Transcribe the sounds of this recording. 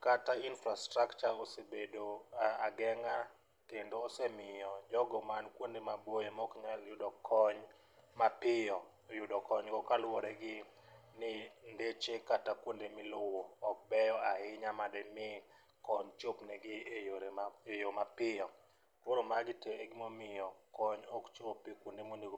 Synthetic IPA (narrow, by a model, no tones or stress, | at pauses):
katainfɾastɾakt͡ʃaɾosebedoaɡɛŋa | kendoːsemɪjɔd͡ʒɔɡɔmankwondemabojemɔkɲaljʊdɔkʰɔɲ | mapɪjɔ | jʊdɔkɔɲɡɔkalwɔɾɛɡɪ | nɪndet͡ʃekatakwondemɪlʊwɔːk̚bɛjɔaɦɪɲamadɛmɪ | kɔɲt͡ʃopnɛɡɪejoɾeejomapɪjɔ | ɾoɾomaɡɪteeɡɪmomɪjɔkɔɲɔkt͡ʃopːikwondemoniɡ